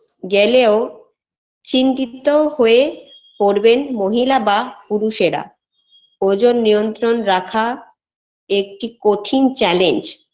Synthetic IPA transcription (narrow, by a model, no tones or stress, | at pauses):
ɡeleo | t͡ɕint̪it̪ohoe | poɾbenmoɦilabapuɾuʃeɾa̰ | od͡ʑonːijont̪ɾonɾakʰa | ek̚ʈikoʈʰint͡ɕɛlend͡ʑ